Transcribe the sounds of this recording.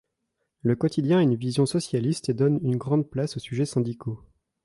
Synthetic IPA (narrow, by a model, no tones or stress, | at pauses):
ləkɔt̪ʰid̪jɛ̃ɛynvizjɔ̃sɔsjalist̪ed̪ɔnynɡʁɑ̃d̪̚plasosyʒɛsɛ̃d̪ikʰo